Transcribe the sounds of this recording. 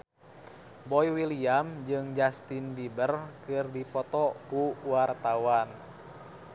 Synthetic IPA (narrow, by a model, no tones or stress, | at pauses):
bɔjwiliamd͡ʒɨŋd͡ʒast̪indibərkɨrdipɔt̪ɔkuwart̪awan